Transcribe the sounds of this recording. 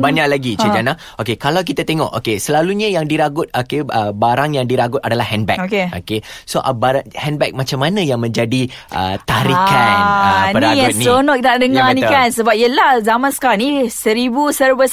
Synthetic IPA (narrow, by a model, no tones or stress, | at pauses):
baɲaʔlaɡit͡ʃad͡ʒana | okekalawk̬it̪at̪eŋɔʔo̰kesəlaluɲəjaŋdiɾaɡʊt̪̚okeəbaɾaŋjaŋdiɾaɡʊt̪̚adalahɛnbɛ̰kokeokesoʔbaɾaŋhɛnbɛk̚mãt͡ʃamːanãjaŋmə̃ɲd͡ʒadiʔə̰t̪aɾikanəpənɾiat̪̚nionɔʔkt̪aʔdəŋanĩkansəbap̚iəlahzamãnsə̥kalnisəɾibusərvəs